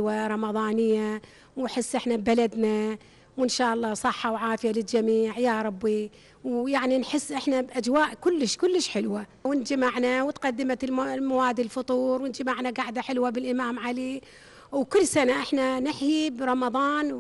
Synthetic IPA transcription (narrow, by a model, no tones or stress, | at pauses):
waɾˤɑmɑðˤɑːnɪjːa | wħɪsːʔɪħnabalad̪na | wɪnʃaːʔɑlˤːɑːsˤɑħːɑwʕaːfɪjalɪld͡ʒamiːʕjaːɾˤɑbːi | wjaʕninħɪsːʔɪħnabʔad͡ʒwaːʔkʊlːɪʃkʊlːɪʃħɪlwa | wɪnd͡ʒamaʕnawt̪qɑd̪ːɪmat̪lmawaːd̪ilfʊt̪ˤuːɾˤwɪnd͡ʒamaʕnaɡaʕd̪aħɪlwabɪlʔɪmaːmʕali | wkʊlːsanaʔɪħnanɪħjibɾˤɑmɑðˤɑːn